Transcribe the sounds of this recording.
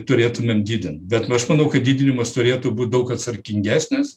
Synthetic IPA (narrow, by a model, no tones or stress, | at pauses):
t̪ʊɾʲeːt̪ʊmʲemd̪ʲiːd̪ʲɪnt̪bʲɛt̪ɐʃmɐnɐʊkɐt̚d̪ʲiːd̪ʲɪnʲɪmɐst̪ʊɾʲeːt̪ʊːbuːt̪̚d̪ɐʊkɐt̪sɐɾʲkʲɪŋʲɡʲæːsʲnʲɪs